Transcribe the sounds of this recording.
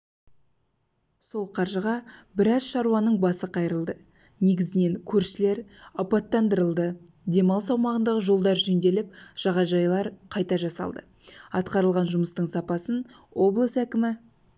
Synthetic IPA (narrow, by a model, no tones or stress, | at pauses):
so̞lˠqʰɑɾʒəʁɑbɪɾɑzʃɑɾuɑnəɴbɑsəqʰɑjɾəlˠd̪ə | ne̞ɡʲɪzɪne̞ŋkʲʰɵɾʃɪle̞ɾɑpɑt̪ːɑnd̪əɾəlˠd̪ə | d̪e̞mɑlˠsɑwmɑʁənd̪ɑʁəʒo̞lˠd̪ɑɾʒɵnd̪e̞lɪp̚ʒ̥ɑʁɑʒɑjlˠɑɾqʰɑjt̪ɑʒɑsɑ̰lˠd̪əɑt̪qɑɾəlˠʁɑnʒʊməst̪əɴsɑpɑsənwo̞blˠəsækʲɪmɪ